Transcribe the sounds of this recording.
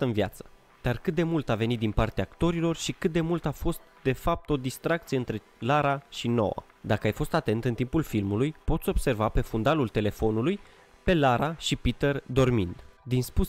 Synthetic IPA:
əɨnvjat̪sə̥ | d̪̥arkɨt̪̚d̪e̞mult̪ave̞nit̪̚d̪inpart̪eaːkt̪o̞ɾilo̞rʃikɨt̪̚d̪e̞mult̪afo̞st̪̚d̪e̞fap̚t̪o̞d̪ist̪ɾak̚t̪sijeɨnt̪ɾe̞ | laɾaʃino̞̰wa̰ | d̪akəajfo̞st̪at̪e̞nt̪ɨnt̪impulfilmulujpo̞t̪sʲo̞b̥se̞rvape̞fund̪alult̪e̞le̞fo̞nuluj | pe̞laɾaʃipit̪erd̪o̞rmind̪d̪inspu

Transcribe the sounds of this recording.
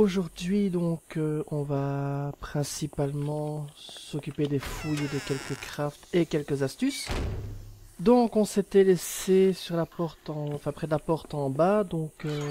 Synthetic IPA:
oʒuʁd̪ɥid̪ɔ̃køɔ̃vapχɛ̃sipalmɑ̃sɔkʲyped̪efujed̪əkʲɛlkəkχaft̪ekʲɛlkəzast̪ys | d̪ɔ̃kɔ̃set̪ɛlɛsesyʁlapɔʁt̪ɑ̃ɑ̃fɛ̃pχɛd̪əlapɔʁt̪ɑ̃bad̪ɔ̃kø

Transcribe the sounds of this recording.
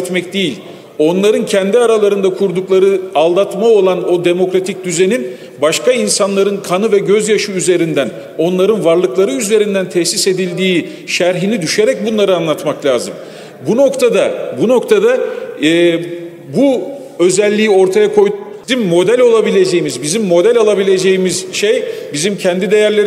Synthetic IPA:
t̪mɛcd̪ejilʲ | o̞nlˠaɾɯncʰɛnd̪iaɾalˠaɾɯnd̪akʰuɾd̪uklˠaɾɯalˠd̪at̪mao̞lˠano̞d̪e̞mo̞kɾat̪ʰic̚d̪yze̞nin | baʃkainsanlˠaɾɯnkʰanɯvɛɟø̞zjaʃɯyze̞ɾind̪æn | o̞nlˠaɾɯnvaɾlˠɯklˠaɾɯyze̞ɾind̪ænt̪ʰɛçsise̞d̪ilʲd̪iː | ʃæɾɦinid̪yʃe̞ɾɛc̚bunlˠaɾɯanlˠat̪maklʲaːzɯm | buno̞kt̪ʰad̪abuno̞kt̪ʰad̪aː | bu | ø̞zɛlʲːiːio̞ɾt̪ʰajakʰo̞j | imːo̞d̪ælʲo̞lˠabilʲe̞d͡ʒejimizbizimːo̞d̪ælʲalˠabilʲe̞d͡ʒe̞jimiz̥ʃejbizimcʰɛnd̪id̪e̞jæɾlʲe̞ɾ

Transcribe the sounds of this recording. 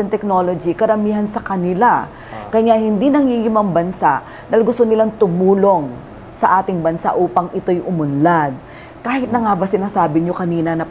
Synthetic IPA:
ɛnt̪ɛk̚no̞lod͡ʒikɐɾɐmiːɦɐnsɐkɐnɪla | kɐjahɪnd̪inɐŋiɡɪmɐŋbɐnsaʔ | nɐlɡʊst̪onɪlaŋt̪ʊmuːlo̞ŋ | sɐʔaːt̪ɪŋbɐnsa̰ʔuːpɐŋɪt̪o̞jʔʊmʊnlad̪̚ | kaːhɪt̪̚nɐŋaːbɐsɪnasaːbɪɲo̞kɐniːnɐnɐ

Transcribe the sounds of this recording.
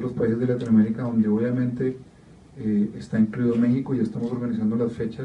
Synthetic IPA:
lo̞spaisezd̪elat̪inwame̞ɾikaðo̞nd̪e̞o̞βjamẽ̞nt̪e̞ | est̪aeŋkɾiðome̞xiko̞iest̪amoso̞ɾɡanisand̪o̞lasfe̞t͡ʃas

